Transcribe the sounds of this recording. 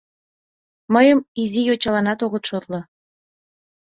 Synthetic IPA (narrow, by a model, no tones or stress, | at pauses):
məjəmizijot͡ɕɑlɑnɑt̪oɣət̪ʃot̪lŏ